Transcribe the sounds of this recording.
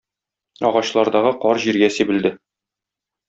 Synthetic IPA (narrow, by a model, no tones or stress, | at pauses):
ɒ̰ʁɑɕlˠɑɾd̪ɑʁɤqɒɾʑiɾɡæsibɘ̆ld̪ɘ